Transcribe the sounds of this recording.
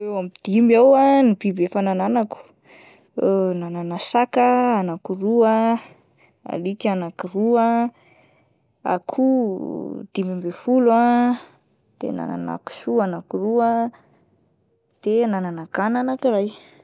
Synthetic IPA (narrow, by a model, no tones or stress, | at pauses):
ewamid̪̥imiawanibibefanananaku̥ | nananasakəanakuruə | a̰likanakiruə | a̰kʰu | d̪̥imimbefulua | d̪̥ḛna̰na̰na̰ku̥suanakuruə | d̪̥enananakananakiraj